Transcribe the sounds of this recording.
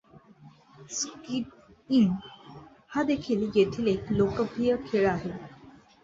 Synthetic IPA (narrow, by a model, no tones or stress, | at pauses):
skiʈ̚ | in | had̪ekʰiːljet̪ʰiːleklokəpʰijəkʰeɭaɦe